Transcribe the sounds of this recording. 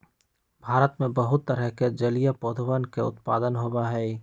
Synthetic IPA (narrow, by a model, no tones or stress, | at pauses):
bʱaːɾət̪mẽbəɦʊt̪ːəɾəɦked͡ʒəlijapoːd̪ʱwənkeʊ̰t̪pa̰ːd̪ənɦoːbaɦɛː